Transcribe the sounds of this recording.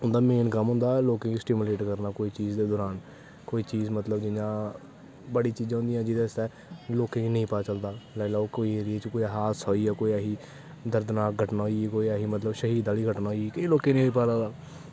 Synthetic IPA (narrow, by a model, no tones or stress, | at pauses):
ʊnd̪aːmeːnkəmɦʊ̃nd̪aːloːkẽːkisʈɪmʊleːʈkəɾnaːkoːiːt͡ʃiːzd̪eːd̪ɔːɾaːn | koːiːt͡ʃiːzmət̪ləbd͡ʒɪɲãː | bəɽiːt͡ʃiːd͡ʒãɦʊ̃nd̪ijãːd͡ʒɪd̪aːɪst̪ɛː | loːkẽːinəĩːpaːt͡ʃəld̪aːlaːlaːoːkoːiːeːɾɪeːt͡ʃkoːiɦaːt̪sɔːiːaːkoːiaɦiː | d̪əɾd̪naːɡʱəʈnaːɦoieːkoːiːaɦiːmət̪ləbʃəɦiːd̪aːliːɡʱəʈnaːɦoiiːkiːloːkẽːnĩːoiːpaːlaːd̪aː